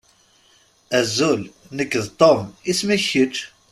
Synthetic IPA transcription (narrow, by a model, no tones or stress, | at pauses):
æzːul | nəkːəðt̪ˤomismæçət͡ʃ